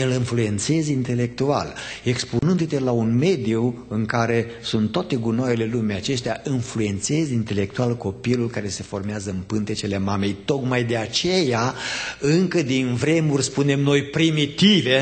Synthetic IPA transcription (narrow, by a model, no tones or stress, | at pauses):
jelɨnflue̞nt̪se̞zint̪e̞le̞k̚t̪ua̰le̞ksponɨnd̪ut̪e̞launme̞d̪iuɨŋkaɾe̞sunt̪ːoat̪e̞ɡunaele̞lumejat͡ʃe̞st̪eaʔinflue̞nt̪se̞zint̪e̞le̞k̚t̪ualko̞pilulkaɾe̞se̞fo̞rmeazəɨnpɨnt̪e̞t͡ʃele̞mame̞jt̪o̞kmajd̪e̞at͡ʃe̞jaɨŋkəd̪invɾe̞murʲspune̞mno̞jpɾimit̪ive̞